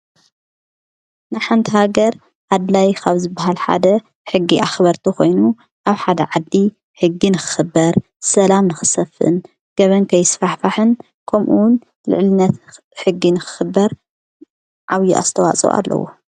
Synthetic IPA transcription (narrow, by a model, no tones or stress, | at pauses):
nɨħant̪ʰihaɡɐɾ | ʕad̪lajkʰaβzɨbːaɦalħa̰d̪ɐ | ħɨɡːiʔaxβɐɾt̪ʰukʰo̞jnu | ʔaβħad̪ɐʕad̪ːi | ħɨɡːinɨxɨ̥xɨbːɐɾ | sɐlamnɨxɨsɐfɨ̰n | ɡ̥ɐβɐnkʰɐjsfaħfaħɨn | kʰɐmʔuwn | lɨ̰ʕlɨnːɐt̪ | ħɨɡːinɨxɨ̥xɨbːɐɾ | ʕaβjuʔa̰st̪ʰɐwa̰t͡sʼṵʔa̰lːɐ̰wo̰